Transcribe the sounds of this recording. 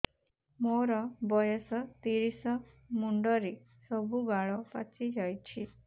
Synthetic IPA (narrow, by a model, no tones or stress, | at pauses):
moɾɔbɔjɔsɔt̪iɾisɔ | muɳɖɔɾe | sɔbʱubaɭɔpa̰t͡ʃid͡ʒajt͡ʃʰi